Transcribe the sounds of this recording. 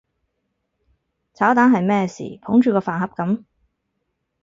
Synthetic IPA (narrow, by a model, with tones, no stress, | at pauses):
t͡sʰaː˨˥wt̪aː˨˥nɦɐ˨jmɛː˥sḭː˨˩pʰʊ˨˥ŋt͡ʃyː˨kɔː˧faː˨nɦɐ˨p̚kɐ˨˥m